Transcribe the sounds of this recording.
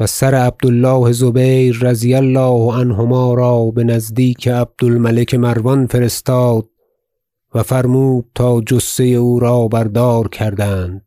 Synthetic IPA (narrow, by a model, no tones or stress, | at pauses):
væsæɾeæb̚d̪olːɒːhezobejɾːæzijælːɒːhænɦomɒːɾɒːbe̞næzd̪iːkʰeæb̚d̪̥olmælekʰemæɾvɒnfe̞ɾe̞st̪ɒːd̪̥̚ | væfæɾmuːd̪̚t̪ʰɒːd͡ʒosːe̞jeuːɾɒːbæɾd̪ɒːɾkʲʰæɾd̪ænd̪̥̚